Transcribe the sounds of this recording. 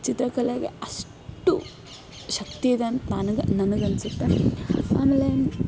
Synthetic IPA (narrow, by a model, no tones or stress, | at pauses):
t͡ʃit̪ɾɐkɐleɡḛɐʂ | ʈṵ | ʃɐk̚t̪iid̪eɐnt̪ɐnanɐɡenɐnɐɡɐnsut̪ːea̰ːmeːle